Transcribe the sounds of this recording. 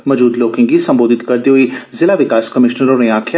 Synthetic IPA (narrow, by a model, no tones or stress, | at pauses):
məd͡ʒuːd̪loːkɪ̃ŋɡiːsəmboːd̪ɪt̪kəɾd̪iːɦoiːzɪlaːʋɪkaːskəmɪʃnəɾõːɾẽaːkʰː